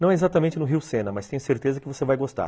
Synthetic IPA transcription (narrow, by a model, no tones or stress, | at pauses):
nɐ̃w̃ɛezat̪ɐmẽnt͡ʃɪnʊɦiwsẽnɐmɐst̪ẽj̃ʊseɾt̪ezɐkɪvosevajɡost̪a̰ɾ